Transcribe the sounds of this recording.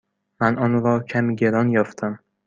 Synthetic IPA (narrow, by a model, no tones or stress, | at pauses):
manɒnɾɒkʲʰamɡʲeɾɒnjɒft̪ʰam